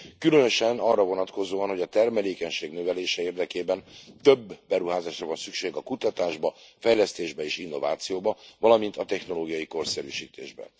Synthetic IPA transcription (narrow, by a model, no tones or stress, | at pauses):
kylønø̞ʃɛnɒrːɒvo̞nɒt̪ko̞zoːɒnho̞ɟɒt̪ɛrmɛleːkɛɲʃeːɡnøvɛleːʃɛeːrd̪ɛkeːbɛnt̪ø̞bːɛɾuɦaːzaːʃrɒvɒnsykʃeːɡɒkut̪ɒt̪aːʒbɒfɛjlɛst̪eːʒbɛeːʃinːo̞va̰ːt̪sijoːbɒvɒlɒmint̪ɒt̪ɛxno̞loːɡijɒjiko̞rsɛɾy̰ːʃḭːt̪ḛːʒbɛ̰n